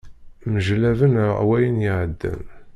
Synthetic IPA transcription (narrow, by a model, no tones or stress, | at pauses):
məʒlævənwæjənjɪʕəd̪ːə̰m